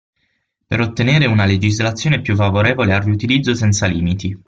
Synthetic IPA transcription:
pḛɾot̪ːeneːɾeunaled͡ʒizlat̪sːjoːnepjuf̬ːavoɾeːvolearːiut̪ilid̪zːosɛnt̪saliːmit̪i

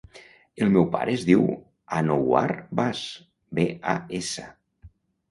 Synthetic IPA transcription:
elˠmɛwpa̰ɾʔeːzðiw | anowa̰ɾbas | bea̰esə

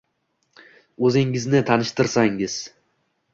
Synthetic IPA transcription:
ɵzɪŋɪznɪt̪ʰanɪʃt̪ɪɾsaŋɪz̥

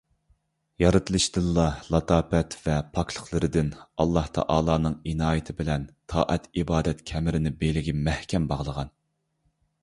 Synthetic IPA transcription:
jɑɾɨt̪ʰɨlˠɨʃd̪ɨlːˠɑlˠɑt̪ʰɑːpɛt̪vɛpʰɑkʰlˠə̥χlˠɨɾɨd̪ɪnɑlˠːɑht̪ʰɑ̰ʔɑːlˠɑːnɨŋinɑːjɪt̪ʰɪbɪlɛnt̪ʰɑ̰ːʔɛt̪ʰibɑːd̪ɛt̪kʲʰɛmɪɾɪnɪbelɪɡʲimɛhkʲʰɛmbɑʁlˠəʁɑn

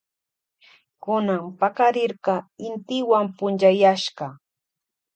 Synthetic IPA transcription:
kʊnampakaɾɪɾɢɑɪnt̪ɪwampʊnt͡ʃajaʃɢɑ

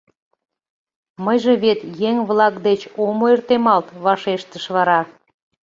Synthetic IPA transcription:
məjʒeβet̪jeŋβlɑkd̪et͡ɕomoert̪emɑlt̪βɑʃeʃt̪əʃβɑɾɑ

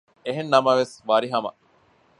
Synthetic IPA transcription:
eɦenːɐmɐʋesʋɐɾiɦɐmɐ̰

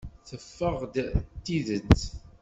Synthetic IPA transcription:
θəfːəʁd̪t̪ːiðət͡s

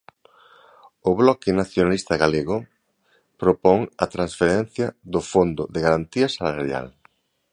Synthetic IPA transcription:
ʊβlɔkɪnaθjonalist̪ɐɣaleɣʊ | pɾopɔŋɐt̪ɾãnsfeɾɛn̟θjɐðʊfond̪ʊðɪɣaɾant̪iɐsalaɾja̰l

